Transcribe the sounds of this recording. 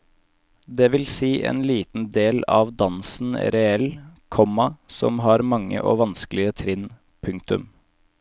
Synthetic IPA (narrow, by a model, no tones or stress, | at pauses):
d̪eːʋɪlsiːʔḛːnliːt̪n̩d̪eːlɑ̰ʋd̪ɑnsn̩ɾɛɛlkʰɔmɑsɔ̰mɦɑːɾmɑŋːə̰ʔo̰ːʋɑnsklɪət̪ʰɾɪn | pʰʉŋk̚t̪ʉ̰m